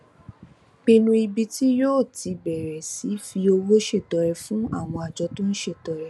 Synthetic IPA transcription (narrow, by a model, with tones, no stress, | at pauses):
bi˧nũ˧i˧bi˧ti˦joː˦˨tʰi˨˧bɛ˨ɾɛ˨si˨˦fi˧o˧wo˦ʃe˦˨tɔ˨ɾɛ˨˧fũ˦a̰˦˨w̃ɔ̃˧a˨d͡ʒɔ˨˧tũ˦n̩˦ʃe˦˨tɔ˨˦ɾɛ˨˧